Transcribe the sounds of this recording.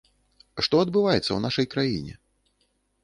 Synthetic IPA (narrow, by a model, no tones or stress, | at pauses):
ʂt̪ɔɐd̪bɨvajɛt̪sːɐ̰wnaʂɐjkɾajḭnʲɛ̰